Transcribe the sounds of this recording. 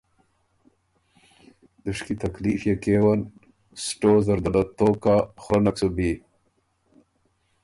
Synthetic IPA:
d̪̥əʂkit̪aklifjekewan | sʈozɐɾd̪alat̪oːkaxɾanaksubi

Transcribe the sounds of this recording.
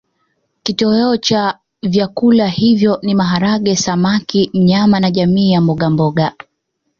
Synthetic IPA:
kitɔɛɔt͡ʃa | vjakulahivjɔnimaɦaɾaɠɛsamakim̩ɲamanaʄamiːjambɔɠambɔɠa

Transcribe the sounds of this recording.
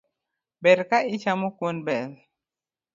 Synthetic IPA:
bɛɾkaʔit͡ʃamukunbɛl

